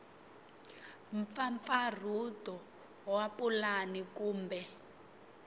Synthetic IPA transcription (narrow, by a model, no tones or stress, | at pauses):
ɱfaɱfar̤utɔ | wapʼulanikuːmbɛ